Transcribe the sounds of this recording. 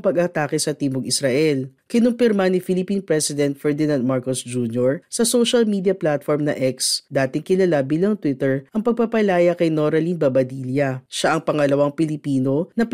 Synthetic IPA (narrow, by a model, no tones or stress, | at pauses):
pɐɡaːt̪aːkɪsɐt̪iːmoɡɪsɾɐʔɛlkɪnʊmpɪɾmanɪfɪlɪpiːnpɾɛsɪd̪ɛnt̪̚fɛɹd̪ɪnand̪̚maɹkosd͡ʒunjoɹsɐsoʃɐlmiːd̪jɐplat̪foɹmnɐ̰ʔɛksd̪aːt̪ɪŋkɪlɐlabiːlɐŋt̪wɪt̪ɛɹʔɐŋpɐɡ̚pɐpɐlaːjɐkɐjnoɾɐlinbɐbɐd̪iːljɐʃaʔɐŋpɐŋɐlɐwaŋpɪlɪpiːno̞nɐp